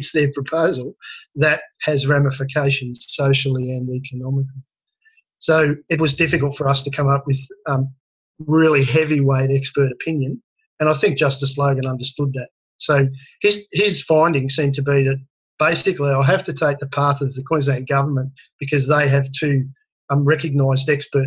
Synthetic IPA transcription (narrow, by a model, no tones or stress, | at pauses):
ɨtsðə˞pʰɹ̥əpʰoʊzl̩ˠðɨt̚hɨzɹæməfɨkʰeɪʃɨ̃n̩z̥soʊʃl̩ˠiɨ̃nikʰɨnɑmɨkli | soʊɨt̚wʌzdɪfɨklˠtfə˞ʌstʰɨkʰʌ̃mʌp̚wɨð̥ʌ | ɹɪlˠiɦɛviweɪɾɛkspɜ˞ɾɨpʰɪ̃njɨ̃n | ɨ̃ɾ̃aɪθɪ̃ŋk̚d̥ʒ̥ʌstɨsloʊɡɨ̃nʌ̃ndə˞stʊd̪̚ðɨt̚ | soʊɪzɪz̥fãɪ̃ndɪ̃ŋsĩmtʰɨbiðɨt̚ | b̥eɪsɨkliaɪlˠɦæftɨtʰeɪk̚ðɨpʰɑɹθʌvðɨkʰw̥ɛ̃nznẽɪ̃n̚ɡ̥ʌvə˞mɨ̃n | b̥ɨkʰʌzðeɪɨv̥tʰʉ | ɹɛkɨɡ̚naɪzdɛkspə˞t̚